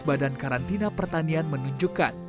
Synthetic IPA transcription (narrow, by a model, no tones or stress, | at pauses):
badankaɾant̪inapərt̪anianmənuɲd͡ʒuka̰n